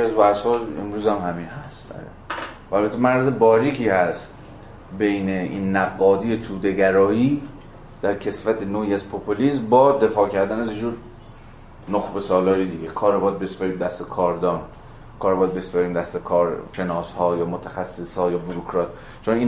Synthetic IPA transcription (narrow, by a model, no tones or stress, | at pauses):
æzvæshɒːḛmɾuːzæmhæminhæst̪æ̰ | væælbæt̪ʰːemæɾɾæzebɒːɾiːkʰiːhæst̪ | be̞jneiːnːæɡːɒːd̪ijet̪ʰuːd̪e̞ɡæɾɒːiː | d̪̥æɾcʰe̞svæt̪ʰenoːiːæzpʰopʰoliːsmbɒːd̪e̞fɒːcʰæɾd̪ænæzjed͡ʒuːɾ | noxbe̞sɒːlɒːjed̪iɡekʰɒːɾebɒd̪̚bespæɾiːmd̪æst̪ekʰɒːɾd̪ɒːn | kʰɒːɾebɒd̪̚bespæɾiːmd̪æst̪ekʰɒːɾʃe̞nɒːshɒːjɒːmot̪ʰæxæsːeshɒːjɒːbuɾokʰɾɒːt̪̚ | t͡ʃʰoniːn